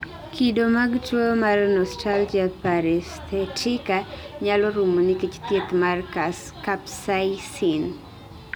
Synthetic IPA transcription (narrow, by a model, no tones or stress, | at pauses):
kʰidomaɡtomarnɔstald͡ʒapaɾɛst̪ɛtʰɪka | ɲalɔɾumonikit͡ʃt̪jet̪markas | kapsaisin